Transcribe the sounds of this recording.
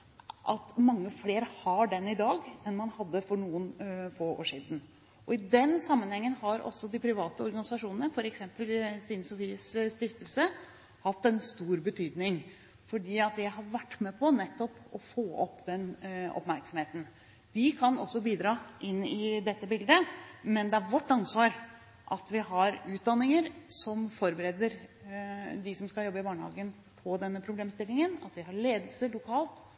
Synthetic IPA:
ʔɑt̪mɑŋːəfleːɾəhɑɖɛnɪd̪ɑːɡɛnmɑnhɑd̪ːəfɔɳuːənfoːo̰ːʂiːd̪n̩ | ʔɔɪd̪ɛnsɑmːənhɛŋːənhɑɾʔɔ̰sːɔd̪ɪpʰɾɪʋɑːt̪əɔɾɡɑnɪsɑʂuːnənəfɔɾɛksɛmpəlst̪iːnsɔt̪iːʋisst̪ɪft̪əlsə | hɑt̪ːɛnst̪uːɾbət̪ʰyːd̪nɪŋ | fɔɖiːɑt̪̚d̪ɛjæɪɦɑɾʋæʈːmɛpʰɔnɛt̪ːɔpɔfoːʔɔpːd̪ɛnɔ̰pmæɾksɔmheːt̪n̩ | ʋɪkʰɑnɔ̰sːɔbiːd̪ɾɑːʔɪnːɪd̪ɛt̪ːəbɪld̪əmɛnd̪ɛæɾʋɔʈːɑnsʋɑːɾ | ʔɑt̪ʋɪɦɑɾʉːt̪̚d̪ɑnːɪŋəɾsɔmfɔɾbəɾɛd̪əɾ | d̪ɪsɔmskɑjɔbːəɪbɑːɳəhɑ̰ːɡən | pʰɔd̪ɛnːəpʰɾʊbleːmst̪ɪlːɪŋənɑ̰t̪ʋɪɦɑɭeːd̪əlsəɭʊkʰɑːlt̪

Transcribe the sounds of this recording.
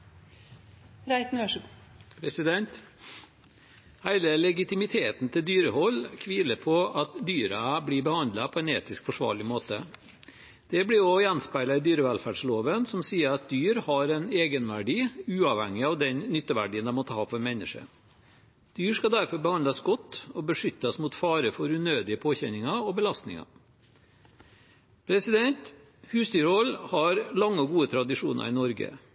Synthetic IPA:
ɾæɪt̪nøʂpʰɾɛsɪd̪ɛnt̪ | hæɪləlɛɡɪt̪ɪmɪt̪ʰeːt̪n̩t̪ʰɪld̪yːɾəhɔlːkʰʋiːləpʰɔɑt̪d̪yːɾəbliːbəhɑnd̪lɑpʰɔɛːneːt̪ɪskfɔʂʋɑ̰ːɭɪmoːt̪ə̰ | d̪̥ɛblɪɔjɛnspæɪlɑɪd̪yːɾəʋɛlfæːɖʂloːʋənsɔmsiːəɾɑt̪̚d̪yːɾhɑɾɛneːɡənʋæɖiːʉːɑʋhɛ̰ŋːɪɑʋd̪ɛnnʏt̪ːəʋæ̰ɖiːənd̪ɛmɔt̪ːəhɑːfɔɾmɛnːəʂə̰ | d̪̥yːɾʂkɑd̪æɾfɔɾbəhɑnd̪ɑsɡɔt̪ːɔbəʂʏt̪ːɑsmut̪fɑːɾəfɔɾʉnøːd̪ɪəpʰoːçɛnɪŋɑɔbəlɑst̪nɪ̰ŋɑ̰ | pʰɾɛsɪd̪ɛnt̪ | hʉːsd̪yːɾɔlhɑɾlɑŋːəɔɡuːət̪ʰɾɑd̪ɪʂṵːnɑ̰ɾɪnɔɾɡə̰

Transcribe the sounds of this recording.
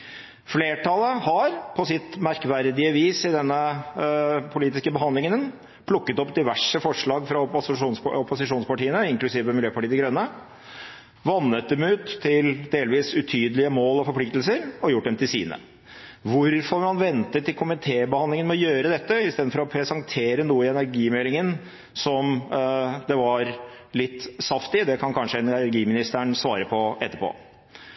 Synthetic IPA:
fleːʈʰɑləhɑɾpʰɔsɪt̪mæɾkʋæɾd̪ɪəʋiːsɪd̪ɛnːə | pʰʊliːt̪ɪskəbəɦɑnd̪lɪŋənən | pʰlʊkːət̪ɔpd̪ɪʋæʂəfɔʂɭɑːɡfɾɑʂuːnɔpʊsɪʂuːnspɑʈiːənəɪŋklʉsiːʋəmɪljøːpɑʈiːəd̪ɪɡɾœnːə | ʋɑnːət̪̚d̪ɛmʉːt̪ʰːɪld̪eːlʋiːsʉt̪ʰyːd̪əlɪəmoːlɔfɔɾpʰlɪk̚t̪lsəɾɔjʊʈ̚ːd̪ɛmt̪ʰɪlsiːnə̰ | ʋʊɾfɔɾmɑnʋɛnt̪ət̪ʰːɪlkʰʊmɪt̪ʰeːbəhɑnlɪŋənmɔjøːɾəd̪ɛt̪ːəɪst̪eːd̪n̩fɔɾɔpʰɾɛsɑŋt̪ʰeːɾənuːəɪɛnæɾɡiːmɛlɪŋən | sɔm | d̪ɛʋɑɾ | lɪt̪ːsɑft̪ɪd̪ɛkʰɑnkʰɑnʂəɛnɾɡiːmɪnɪst̪əɳsʋɑːɾəpʰɔɛt̪ːəɾpʰo̰ː

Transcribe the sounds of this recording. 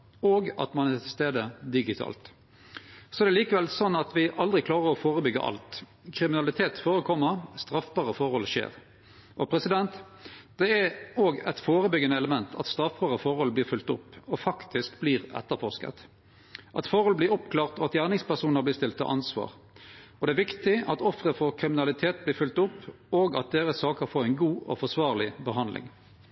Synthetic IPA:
oːɡɑ̰t̪mɑnɛt̪ʰɪst̪eːd̪əd̪ɪɡɪt̪ʰɑ̰ːlt̪ | sɔɛd̪ɛliːkəʋɛlsɔnːɑt̪ʋɪʔɑld̪ʁɪkʰlɑːʁəʁɔfoːʁəbʏɡːə̰ʔɑ̰lt̪ | kʰɾɪmɪnɑlɪt̪ʰeːt̪foːɾəkʰɔmːəst̪ɾɑfbɑːʁəfɔɾhɔlʃḛːʁ | ʔɔpʰɾɛsɪd̪ɛnt̪ | d̪̥ɛæoːɡɛt̪foːʁəbʏɡənəɛləmɛnt̪ʰɑ̰t̪st̪ɾɑfbɑːʁəfɔɾhɔlblɪːʁfʉlt̪ʊpːɔfɑkt̪ʰɪskbliːʁɛ̰t̪ːəfɔʁskə̰t̪ | ʔɑt̪fɔɾhɔlblɪɾɔpkʰlɑːʁt̪ɔɑt̪jæːʁnɪŋspæʁsuːnəblɪst̪ɪlt̪ʰɑ̰ʔɑnsʋɑ̰ːʁ | ɔd̪ɛæːʋɪkt̪ɪɑt̪ɔfʁəfɔʁkʰɾɪmɪnɑlɪt̪ʰeːt̪̚blɪːɾfʉlt̪ʊpː | oːɡɑt̪̚d̪eːɾəsɑːkəɾfoːɾæɪnɡuːʔɔ̰fɔsʋɑːʁlɪbəɦɑnd̪lɪ̰ŋ

